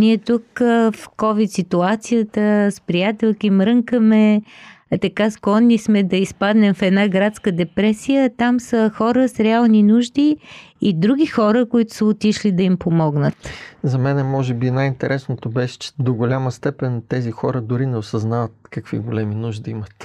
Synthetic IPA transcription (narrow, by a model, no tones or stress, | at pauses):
niɛt̪ukfkɔvit̪sit̪uat̪sijət̪əspɾijat̪ɛlˠkimɾɤŋkəmɛ | t̪ɐkasklˠɔnːismɛd̪ɐispad̪nɛmfɛd̪naɡɾat̪skəd̪ɛpɾɛsijət̪amsəxɔɾəsɾɛalˠninuʒd̪iːd̪ɾuɡ̟ʲixɔɾəkoit̪ʊ̥səot̪iʃlid̪ɐimpomɔɡnət̪zɐmɛnɛmɔʒɛbinajint̪ɛɾʔɛsnot̪obɛʃɛ̥t͡ʃɛ̥d̪oɡolʲaməst̪ɛpɛnt̪ɛzixɔɾəd̪ʊɾinɛosɐznavət̪kɐkv̥ḭɡolɛminuʒd̪ɐimət̪